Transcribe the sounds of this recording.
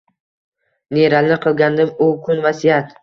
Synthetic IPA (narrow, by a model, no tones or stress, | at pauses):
neɾalnɪqʰɨlˠɡʲand̪ɪmʊkʰʊnvasijat̪